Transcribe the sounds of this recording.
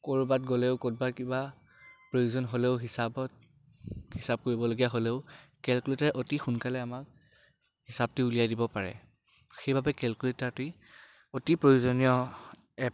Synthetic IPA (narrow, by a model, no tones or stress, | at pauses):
koɹubatɡolɛʊkot̚baɹkiba | pɹojuzɔnɦoleʊɦisabɔt̚ | hisab̚koɹibɔloɡijaɦoleʊkɛlkuletaɹɛʔotixunkalɛamak̚ | hisab̚tʊulijajdibɔpaɹɛ̰ | xejbʱabɛkɛlkuletaɹti | otipɹojuzɔniɔ | ɛ